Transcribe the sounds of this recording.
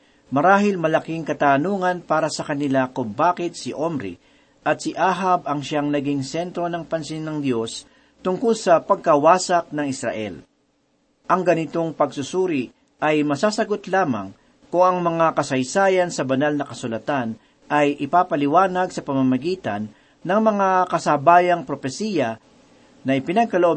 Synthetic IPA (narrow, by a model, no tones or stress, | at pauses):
mɐɾaːhɪlmɐlɐkiŋkɐt̪aːnuːŋɐnpaːɾɐsɐkɐnɪlakʊmbaːkɪt̪̚sɪʔomɾḭ | ʔɐt̪sɪʔaːɦabɐŋʃaŋnɐɡɪŋsɛnt̪ɾo̞nɐŋpɐnsɪnːɐŋd̪jo̞s | t̪ʊŋkʊlsɐpɐɡ̚kɐwaːsɐk̚nɐŋɪsɾɐ̰ʔɛ̰l | ʔɐŋɡɐnɪt̪o̞ŋpɐɡsʊsuːɾɪ | ʔɐjmɐsaːsɐɡot̪laːma̰ŋ | kʊŋɐŋmɐŋakɐsɐjsaːjɐnsɐbɐnalnɐkɐsʊlɐt̪an | ʔɐjʔɪpaːpɐlɪwaːnɐɡsɐpɐmamɐɡiːt̪ɐnː | ɐŋmɐŋakɐsabaːjɐŋpɾofɛsiːjɐ | nɐʔɪpɪnɐɡ̚kɐloʔo